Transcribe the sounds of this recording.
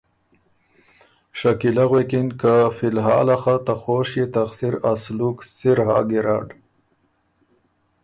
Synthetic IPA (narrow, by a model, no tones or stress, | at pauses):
ʂakilaɣwekinkafilɦɑ̰ːlaxat̪axoːʃjet̪axsiɾasluksiɾha̰ːɡiɾɑ̰ːɖ